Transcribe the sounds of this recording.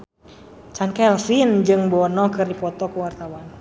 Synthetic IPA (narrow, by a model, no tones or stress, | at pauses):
t͡ʃankaɛlfind͡ʒɨŋbɔnɔkɨrdipɔt̪ɔkəwart̪awan